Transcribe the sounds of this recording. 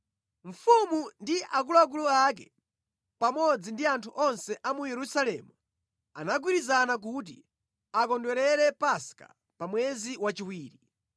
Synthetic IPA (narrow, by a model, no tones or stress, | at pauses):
ɱ̩fumundiʔak̬ulak̬uluak̬ɛ̰ | pamɔd͡zindiantʰuʔɔnsɛʔamujɛɾusalɛ̰ːmu | a̰naɡwiɾizanak̬ut̬ḭ | akɔndwɛɾɛɾɛpaska̰ | pamwɛziwat͡ʃiwiːɾi